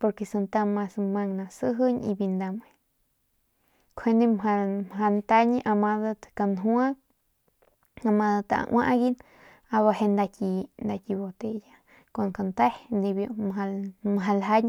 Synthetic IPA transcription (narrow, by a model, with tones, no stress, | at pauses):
po˧ɾke˧sa˧nt̪a˧ma˧sma˧ŋnã˨sɨ˦ɦə˦ɲḭ˧bi˧nd̪a˧me˧˨ | kʰwe˧nd̪e˦˧mɦa˧mɦa˧nt̪a˦ɲi˧ʔa˧ma˧ða˧t̪ka˧nɦwa˦ | a˧ma˧d̪a˧t̪a˧ʔa̰˧ʔwʷʔa̰˦ʔɡi˦n | a˧βa˧he˧nd̪a˧ki˧nd̪a˧ki˧βo˧t̪e˧ja˧ | ka˧˨nka˧˨nt̪a˦hnd̪i˧bjo˧mɦa˧mɦa˧lɦa˦ɲ